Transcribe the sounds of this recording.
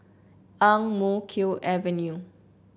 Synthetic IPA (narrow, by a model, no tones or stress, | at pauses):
ãŋmokʰiʔɛvə̃nju